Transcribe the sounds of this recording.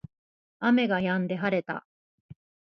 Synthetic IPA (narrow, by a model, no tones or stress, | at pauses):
ame̞ɡajãnd̪e̞ɦaɾe̞t̪a̰